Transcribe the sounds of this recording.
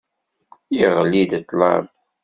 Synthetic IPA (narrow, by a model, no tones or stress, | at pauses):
iʁlːid̪t̪ːlɑ̰m